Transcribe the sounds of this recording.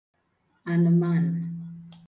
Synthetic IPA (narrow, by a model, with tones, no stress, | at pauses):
a˨nə˨ma˦˨na˨